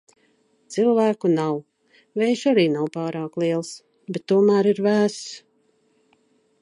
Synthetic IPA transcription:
t̪silˠvæːkunaw | vɛjʃaɾiːnawpaːɾaːklˠiɛlˠs | bɛt̪ːuɔmæːɾiɾvæːss

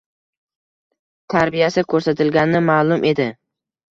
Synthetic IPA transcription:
t̪ʰaɾbijasɪkʰɵɾsat̪ʰɪlɡʲanɪnɪmaːlˠʊmʔe̞d̪ɪ

